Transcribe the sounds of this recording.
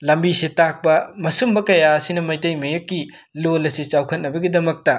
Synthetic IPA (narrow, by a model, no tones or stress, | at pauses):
lɐmbisitak̚pɐmɐsumbɐkɐjaɐsinɐmɐjtɐjmɐjɐkːi | lolɐsit͡ʃawkʰɐt̚nɐbɐɡidɐmɐk̚tɐ